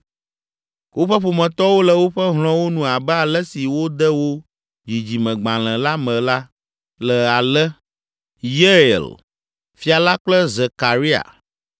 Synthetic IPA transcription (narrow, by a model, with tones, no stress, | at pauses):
wʔo˦ɸɛ˦ɸo˨mɛ̃˨t̪ɔ˦wo˦lə˨wo˦ɸɛ˦ɦl̃ɔ̃˦wo˦nũ˨a˨bɛ˦a˨lə˦si˨wo˦d̪ɛ˦wo˦ | d͡ʑi˨d͡ʑi˨mɛ̃˨ɡ͡bã˨l̃ɛ̃˨la˦mɛ̃˨la˦ | lə˨a˨lɛ˦ | je˦ḛ˨l | fi˦a˨la˦k͡plə˦ze˨ka˨ɾi˦a̰˨